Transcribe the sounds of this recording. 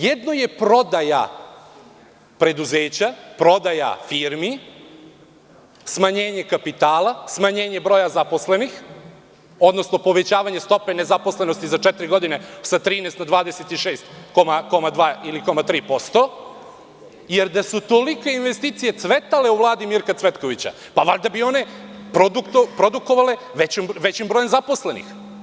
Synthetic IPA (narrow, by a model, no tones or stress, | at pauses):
jed̪noje̞pɾo̞d̪aja̰ | pɾe̞d̪uzeːt͡ɕapɾo̞d̪aja̰fiɾmi | smaɲe̞ːɲe̞kapit̪aːlasmaɲe̞ːɲe̞bɾo̞ːjazaposle̞nix | o̞d̪nosno̞po̞ʋe̞t͡ɕaːʋaɲe̞st̪o̞pene̞zapo̞sle̞no̞st̪izat͡ʃɛt̪iɾiɡo̞d̪ine̞sat̪ɾiːnest̪nad̪ʋaːd̪eset̪iʃeːst̪komako̞mad̪ʋaːiliko̞mat̪ɾiːpo̞st̪o̞ | jeɾd̪asut̪olike̞inʋe̞st̪iːt̪sije̞t̪sʋet̪ale̞uʋlˠaːd̪imiɾkat̪sʋet̪ko̞ʋit͡ɕa̰ | paʋaʎd̪abio̞ne̞pɾod̪upɾod̪uko̞ʋale̞ | ʋet͡ɕomʋet͡ɕimbɾo̞ːje̞mzapo̞sle̞nḭx